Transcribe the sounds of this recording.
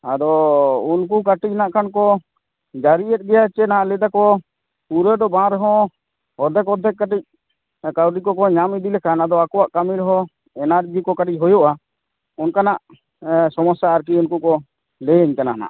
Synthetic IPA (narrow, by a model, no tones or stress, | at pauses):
ad̪ɔunkuk̬aʈic̚naʔkʰankɔ | d͡ʒaɾiʔɛt̪̚ɡɛjat͡ʃɛnaaʔlɛd̪akɔ | puɾɛɖɔbãɾɛɦɔ̃ | ɔd̪ʱɛk̬ɔd̪ʱɛkːaʈic̚ | kawɖikɔkɔɲamid̪ilɛkʰanad̪ɔakɔwaʔkamiɾɦɔ | ɛnaɾd͡ʒikɔkaʈic̚ɦɔjɔʔa | unkanaʔ | sɔmɔsaːɾk̬iunkukɔ | leɲkanaana̰ʔ